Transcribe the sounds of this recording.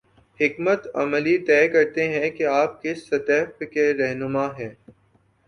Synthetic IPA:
hɪkmət̪ɐ̰mlit̪ɛːkɐɾt̪eɦɛ̃keaːp̚kɪsɐt̪ɛːfkeɾɛɦnʊmaɦɛ̃ː

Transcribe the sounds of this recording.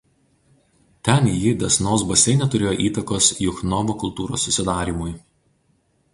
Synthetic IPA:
t̪ʲɛnjɪd̪ʲɛsnoːsbɐsʲɛɪnʲɛt̪ʊɾʲeːjoːʔiːt̪ɐkoːsjʊxnɔʋokʊlˠt̪uːɾo̰ːsːʊsʲɪd̪ɑːɾʲiːmʊj

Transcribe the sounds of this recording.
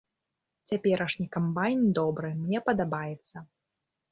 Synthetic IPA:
t͡sʲapʲɛɾʔɐʂnʲikambajnd̪ɔbɾɨmnʲɛpɐd̪abajɛt̪sːɐ

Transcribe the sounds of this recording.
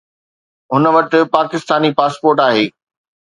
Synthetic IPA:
ɦʊnəʋɐʈɪ̆paːkɪst̪aːnipaːspoːɾʈaːɦeː

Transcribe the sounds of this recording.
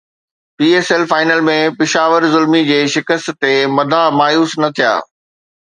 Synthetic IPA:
piːeːsɛlfaːɪnəlmẽpɪʃaːʋəɾzʊlmid͡ʑeːʃɪkəst̪t̪emɐd̪ʱamaːjuːsnɐt̪ʰija̰ː

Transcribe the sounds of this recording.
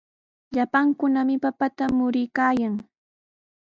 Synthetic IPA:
ʎapaŋkʊnamɪpapat̪amʊɾɪjkaːjaŋ

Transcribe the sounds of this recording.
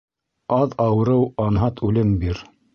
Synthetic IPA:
ɑðɑwɤ̆ɾɤwɑnɦɑt̪ʰʉlɘmbiɾ

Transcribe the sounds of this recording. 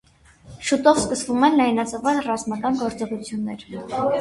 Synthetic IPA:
ʃut̪ɔvskəsvumɛnlɑjnɑt͡səvɑnrɑzmɑkɑnɡɔɾt͡sɔʁut͡sʰjunːɛ̰ɾ

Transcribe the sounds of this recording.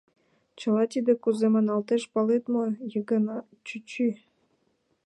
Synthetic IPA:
t͡ɕə̆lɑt̪id̪ĕkuzemənɑlt̪eʃpɑlet̪mojəɡənɑ | t͡ɕyt͡ɕy

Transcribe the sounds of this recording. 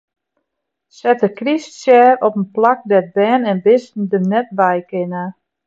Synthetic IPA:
sɛtəkrissjɛːɾɔpənplak̚dɛt̚bɛːnɛnbɪstn̩dəmnɛt̚bɛjkɪna

